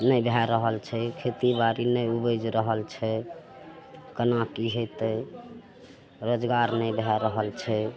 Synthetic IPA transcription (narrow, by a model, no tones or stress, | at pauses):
nəjbʱɛɾəɦəlt͡ʃʰɛkʰet̪ibaɾinəjubəd͡ʒɾəɦəlt͡ʃʰɛ | kənakiɦot̪ə | ɾod͡ʒɡaɾnəjbʱɛɾəɦəlt͡ʃʰɛ